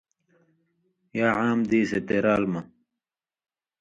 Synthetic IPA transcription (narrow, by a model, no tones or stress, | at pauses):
jaːʕaːmd̪iːset̪eɾaːlmɐ